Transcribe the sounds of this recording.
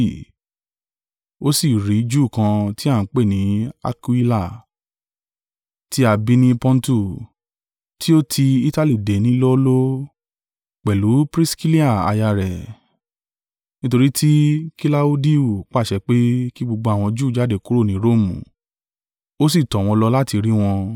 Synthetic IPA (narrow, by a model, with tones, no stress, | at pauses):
o˦si˦˨ɾi˨˦d͡ʒuː˦˨kã˧ti˦ã˦˨˦k͡pe˦˨nĩ˨˦a̰˧ku˦i˦la˦˨ | ti˦a˧bi˦nĩ˦pɔ̃˦n̩˦tu˦˨ | ti˦o˦tʰi˧i˦ta˧li˦˨de˨˦nĩ˦lɔ˦lo˦ | k͡pɛ˨lu˨˦pɾi˦ski˦li˦a˦˨a̰˧ja˧ɾɛ˨ | nĩ˦to˧ɾi˦tʰi˦ki˦la˦u˦di˦u˨k͡pa˦˨ʃɛ˧k͡pe˦ki˦ɡ͡bo˧ɡ͡bo˧˦a˨w̃ɔ̃˧d͡ʒuː˦˨d͡ʒa˦˨de˦˨ku˦ɾo˦˨nĩ˨˦ɾo˦˨mṵ̃˨ | o˦s̬i˦˨tɔ̃˨w̃ɔ̃˧lɔ˧la˦ti˧ɾi˦w̃ɔ̃˧